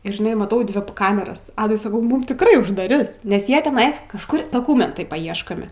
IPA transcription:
ɪr ʒʲɪˈnɐɪ mɐˈtɐʊ ˈdʲʋʲɪ ˈkɑːmʲɛrɐs ˈɑːdʊɪ sɐˈkɐʊ ˈmʊm tʲɪkˈrɐɪ ʊʒdɐˈrʲɪs nʲɛs ˈjiɛ tʲɛˈnɐɪs kɐʃˈkʊr doːˈkʊmʲɛntɐɪ pɐˈiɛʃkoːmʲɪ

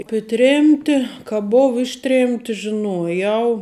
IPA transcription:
ˈɑːpʲeː ˈtʲrʲeːmʲtʲɪ kɐ ˈboːw ˈɪʃʲˌtʲrʲeːmʲtʲɪ ʒʲɪˈnuɔjɛʊ

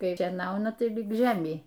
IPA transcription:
ˈkɐɪ ʃʲiɛˈnɐʊnɐ ˈtɐɪ lʲɪk ˈʒʲæːmʲɛɪ

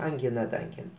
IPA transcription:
ɐŋʲˈɡʲɪnɐ dɐ ɐŋʲˈɡʲɪn

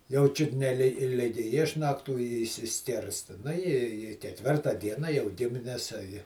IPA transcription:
jɛʊ ˈt͡ʃʲʊt nʲɛ lʲɪ ˈlʲɪɡʲɪ ˈɪʃnɐktuː ɪ ɪʃʲsʲɪˈsʲkʲɪrstɐ ˈnʊ ɪ iː kʲɛˈtʲʋʲɪrtɐ ˈdʲiɛnɐ jɛʊ ˈɡʲɪmʲɪnʲɛs ɐ jɪ

